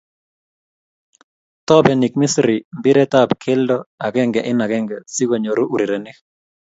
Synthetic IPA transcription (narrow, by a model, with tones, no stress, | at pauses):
t̪ɔ˦bɛ˨ni˨k̚mɪ˦sɾi˨mbɪ˦ɾɛ˦ta˦˨pkʰɪ˦ldɔ˦a˨ɡɛ˦ŋɡɛ˨ʔɪ˦na˨ɡɛ˦ŋɡɛ˨si˦ɡo˨ɲo˨ɾu˦ʔu˨ɾe˨ɾɛ˨nɪ˦k